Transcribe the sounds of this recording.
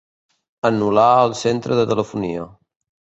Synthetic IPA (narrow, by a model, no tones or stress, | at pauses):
ənulaəlˠsent̪ɾəðət̪ələfuniə